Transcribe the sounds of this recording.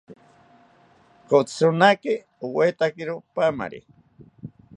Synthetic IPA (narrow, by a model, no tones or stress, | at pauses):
kot͡ssunakɪ | uwet̪akiɾopama̰ɾḭ